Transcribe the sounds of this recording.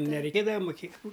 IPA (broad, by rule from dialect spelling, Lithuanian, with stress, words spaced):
nʲɛrʲɛɪˈkʲeːdɐʋɐ mʊˈkʲeː